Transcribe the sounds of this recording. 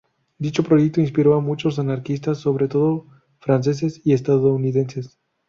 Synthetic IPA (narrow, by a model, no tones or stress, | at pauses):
d̪it͡ʃo̞pɾo̞ʝek̚t̪oins̬piɾo̞amut͡ʃo̞s̬anaɾkist̪asːo̞βɾe̞t̪o̞ðo | fɾans̬e̞s̬e̞siest̪aðouniðe̞nse̞s